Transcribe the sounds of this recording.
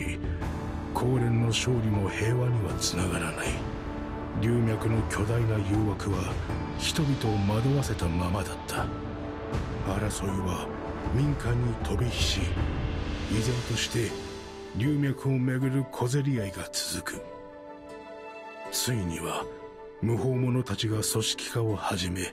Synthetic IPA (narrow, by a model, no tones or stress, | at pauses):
kʰo̞ːɾẽ̞nːo̞ɕo̞ːɾʲimo̞he̞ːβaɲ̟iβat͡sɨnaɡaɾanai | ɾʲɨːmʲjakɯno̞kʲo̞d̪ainajɯːβakɯ̟βa | çi̥t̪o̞bʲit̪o̞ːmad̪o̞βase̞t̪amamad̪at̪ʰːḁ | baɾaso̞ɾɯβa | mʲĩŋkãɲ̟ːit̪ʰo̞bʲiçi̥ɕi | izẽ̞nt̪o̞ɕi̥t̪e̞ | ɾʲɨːmʲjakɯ̟o̞me̞ɡɯ̟ɾɯ̟kʰo̞ze̞ɾʲiaiɡat͡sɨ̥zɨkɯ̟ | sɨiɲ̟iβa | mɯ̟ɦo̞ːmo̞no̞t̪at͡ɕiɡaso̞ɕi̥kʲi̥kao̞haʑime̞